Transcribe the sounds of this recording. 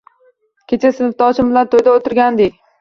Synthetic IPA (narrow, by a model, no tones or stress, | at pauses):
kʲʰet͡ʃʰasɪnɪft̪ʰɒt͡ʃʰɪmbɪlant̪ʰojd̪aot̪ʰɪɾɡʲand̪ekʲ